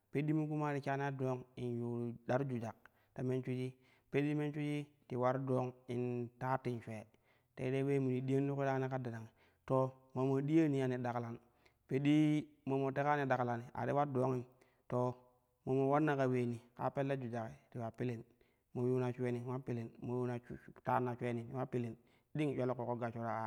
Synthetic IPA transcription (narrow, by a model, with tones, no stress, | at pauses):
pe˦di˦mu˦ku˦ma˦ɾi˨ka˦n˦a˦do˦ŋi˨nju˨da˦ɾd͡ʒu˨d͡ʒa˨k̚ | ta˨me˦nt͡ʃu˦d͡ʒi˦ | pe˦di˦me˦nt͡ʃu˦t͡ʃi˦ti˨wa˦ɾdo˦ŋi˨nta˦ti˦nʃʷe˨ | tḛ˦de˦we˦mu˨ni˨ɗi˦ja˦n˦u˦ku˦da˦ni˦ka˦da˨na˨ŋi˨ | to˨ | mo˨mo˨di˦ja˦ni˦a˨ni˨da˨kla˨n | pe˦di˦mo˨mo˨te˦ka˦ni˨da˨kla˨ni˨a̰˨ti˦wa˦ɾdo˦ŋi˦ | to˨ | mo˨mo˨wa˦ɾna˦ka˨weː˨ni˨ka̰˦pe˦lːe˦d͡ʒu˨d͡ʒa˨ki˨ti˨wa˨pi˦li˨n | mo˨u˦na˨t͡ʃwe˦ni˨˦wa˦pi˦le˨nmo˨ju˦na˨˦ta˦nːa˨t͡ʃʷe˦ni˨ti˨˦wa˦pi˦li˨n | ɗi˦ŋ˨t͡ʃʷe˦lko˨ko˦ɡa˨t͡ʃu˦ɾa˨a˨